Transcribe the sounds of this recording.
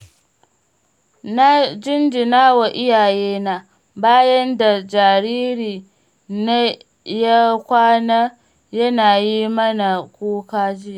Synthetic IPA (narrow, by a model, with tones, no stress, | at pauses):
na˦d͡ʒɪ˦nd͡ʒɪ˨naː˦wa˨ʔɪ˦jaː˨jeː˦na˦ | baː˦jɐ˦nda˨d͡ʒa˨ɾiː˦ɾiː˨ | na˦ | ja˦kʷaː˦naː˦ | jɐ˦naː˨ji˦mɐ˦na˨kʷoː˦kaː˦d͡ʒɪ˦ja˨